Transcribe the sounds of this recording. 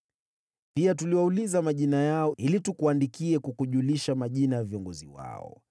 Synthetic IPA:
piatuliwaulizamaʄinajaɔilitukuandikiɛkukuʄuliʃamaʄinajaviɔŋɡɔzḭwa̰ɔ̰

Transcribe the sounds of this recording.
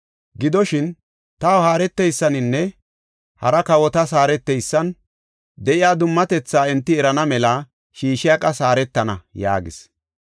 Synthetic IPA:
ɡɪd̪ɔʃɪn | t̪aːwhaːɾɛt̪ːɛjsːɐnɪnːɛ | hɐ̰ɾɐkɐwɔt̪ɐs̬aːɾɛt̪ːɛjsːɐn | d̪ɛʔɪjaːd̪ʊmːɐt̪ɛt͡sːaːɛnt̪ːɪɛɾɐnɐmɛlɐ | ʃiːʃɪjɐkʼɐsaːɾɛt̪ːɐnɐ̰ja̰ːɡɪ̰s

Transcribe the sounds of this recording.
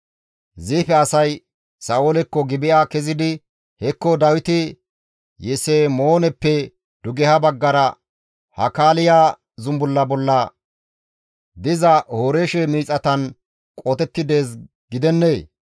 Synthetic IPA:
ziːfɛɐsɐj | saːʔolɛkːɔɡɪbɪjʔaːkɛzɪd̪ɪ | hɛkːɔd̪ɐwɪt̪ɪ | jɛsemoːnɛpːɛ | d̪̥ʊɡɛhɐbɐɡːɐɾɐ | hɐ̰kaːlɪjaː | zʊmbʊlːɐbɔlːɐ | d̪ɪzɐhoːɾeːʃɛmiːt͡sʼːɐt̪ɐn | kʼɔt̪ɛt̪ːɪd̪e̞ːs | ɡɪd̪ɛnːeː

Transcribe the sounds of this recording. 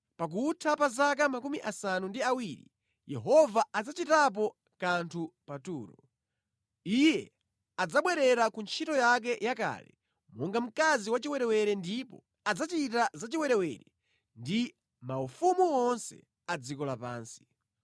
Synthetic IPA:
pak̬utʰapazakamakumiʔasanundiawiɾḭ | jɛɦɔvaad͡zat͡ʃitap̬ɔ | kantʰupatuːɾɔ | ijɛ | ad͡zaɓwɛɾɛɾakunt͡ʃʰitɔjak̬ɛjaka̰lɛ̰ | mɔŋɡam̩kaziwat͡ʃiwɛɾɛwɛɾɛndipɔ̰ | ad͡zat͡ʃitazat͡ʃiwɛɾɛwɛ̰ɾɛ | ndi | maufumuɔnsɛ̰ | ad͡zikɔlapa̰ːnsi̥

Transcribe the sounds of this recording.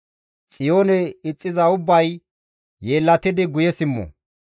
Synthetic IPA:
t͡sʼɪjo̞ːnɛɪt͡sʼːɪzɐʊbːɐj | je̞ːlːɐt̪ɪd̪ɪɡʊjɛsɪmːɔ̰

